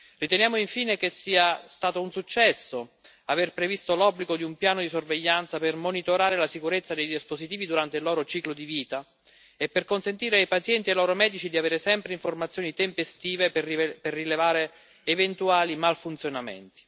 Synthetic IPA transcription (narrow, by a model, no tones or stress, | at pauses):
rit̪enjaːmoiɱfiːnek̟esːiːast̪aːt̪ounsut͡ʃːɛsːo | averpɾevist̪olɔbːliɡod̪iumpjaːnod̪isorveʎːant̪sapermonit̪oɾaːɾelasikuɾet̪sːad̪ejd̪ispozit̪iːvid̪uɾant̪elːɔːɾot͡ʃiːklod̪iviːt̪a | epːerkonsent̪iːɾeajpat̪sjɛnt̪ielɔːɾomɛːd̪it͡ʃid̪iaveːɾesɛmpɾeiɱformat̪sːjoːnit̪empest̪iːveperːilevaːɾeː | vent̪uaːlimalfunt̪sjonamḛnt̪i̥